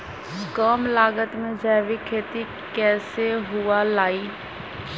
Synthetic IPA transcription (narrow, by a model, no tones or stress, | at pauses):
kəːmlaːɡət̪mẽd͡ʒaːʋikʰeːt̪i | kɛːseɦʊalaːiː